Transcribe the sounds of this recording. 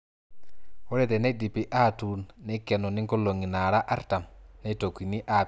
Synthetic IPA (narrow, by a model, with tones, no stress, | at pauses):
wo˦ɾɛ˨dɛ˨ne˦ɗi˨pi˦ʔa˦tunːɛ˦kɛ˨nɔ˨ni˦ŋko˦lo˨ŋi˨na˨ɾa˦ʔa˦ɾta˨mne˦to˨ki˨ni˦ʔa